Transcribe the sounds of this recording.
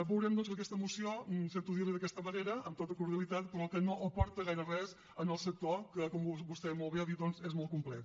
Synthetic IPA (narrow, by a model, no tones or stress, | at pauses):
bəwɾɛmd̪ɔnzək̬ɛst̪əmusiosent̪uðiɾliðək̬ɛst̪əməneɾəəmt̪ot̪əkuɾðiəlˠit̪at̪̚pɾɔkənoʔəpɔɾt̪əɣɛɾərɛz | ənəlˠsək̚t̪okəkɔmubust̪ɛmolˠβeaðit̪ðɔnzezmɔlˠt̪kumplɛ̰t̪